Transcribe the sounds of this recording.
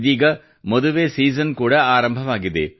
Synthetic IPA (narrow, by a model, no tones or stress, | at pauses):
ðiːɣɐ | mɔðɯʋeːsiːs̬ɐnkuːɽɐaːɾɐmbʱɐmaːɣɪðḛː